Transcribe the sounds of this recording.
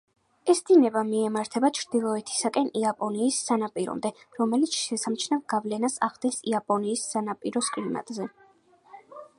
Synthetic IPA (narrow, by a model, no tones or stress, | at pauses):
ɛsd̪̥inɛbamiɛmaɾt̪ʰɛbat͡ʃʰɾd̪̥ilˠɔɛt̪ʰi̥sakʼɛniapʼɔniːsːanapʼiɾɔ̰md̪ɛɾɔmɛlit̪sʰʃɛsamt͡ʃʰnavɡ̥avlɛnasa̰ʁd̪ɛnsiapʼɔniːsːanapʼiɾɔskʼlima̰t̪ʼzɛ